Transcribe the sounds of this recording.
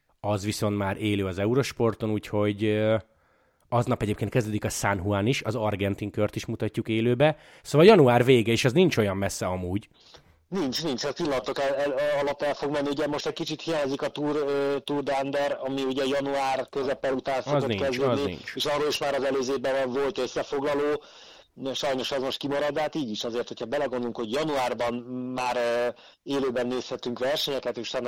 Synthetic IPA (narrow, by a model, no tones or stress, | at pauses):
ɒzʋiso̞nt̪maːɾʔeːløːɒzɛuɾo̞ʃpo̞rt̪o̞nuːcho̞ɟ | ɒznɒpɛɟeːpkenkɛzd̪øːd̪ikɒsanɦuaːniʃɒzɒrɡɛnt̪iŋkørt̪iʃmut̪ɒcːukeːløːbɛ | soːvɒljɒnuaːrveːɡɛeʃɒznint͡ʃo̞jɒmːɛsːɛɒmuːɟ | nint͡ʃnint͡ʃɛpilːɒnɒt̪okɛlɒlɒt̪ːɛlfo̞ɡmɛnːiuɟɛmoʃt̪ɛc̚kit͡ʃit̪hijaːɲzikɒt̪uːrt̪uːrd̪and̪ɛɾɒmiuɟɛjɒnuaːrkøzɛpːɛlut̪aːnsozonikɛzyniḭnt͡ʃeːʃɒrːoːliʃmaːɾɒzɛløːzeːbɛvɛɱvo̞lt̪øsːɛfo̞ɡlɒloː | ʃɒjno̞ʃɒzmo̞ʃt̪kimɒɾɒd̪ːɛɦat̪iːɟiʃɒzeːrt̪ho̞cʰɒbɛlɛɡo̞nd̪oluŋkho̞ɟjɒnuaːrbɒnmaːɾ | eːløːbɛnːeːshɛt̪yŋkʋɛrʃɛɲɛkɛt̪eːʃt̪ɛn